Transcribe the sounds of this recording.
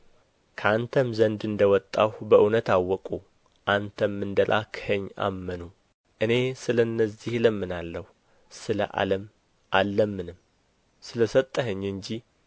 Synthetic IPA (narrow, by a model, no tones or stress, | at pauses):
kʰəant̪ʰəmzənd̪ɨnd̪əwɔt̪ʼːawbəʔunət̪awːɔkʼu | ʔant̪ʰəmːɨnd̪əlʔa̰kʰhəɲːa̰mːənu | ʔɨne̞sɨlənːəzːihləmːɨnalːəh | sɨlə̰ʔa̰ləm | ʔalːəmːɨnɨm | sɨləsət̪ʼːəɦɨɲːɨɲd͡ʒi